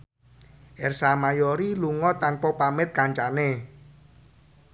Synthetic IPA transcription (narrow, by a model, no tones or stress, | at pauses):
ʔɛrsamajɔɾiluŋɔt̪anpɔpamɪt̪̚kaɲt͡ʃane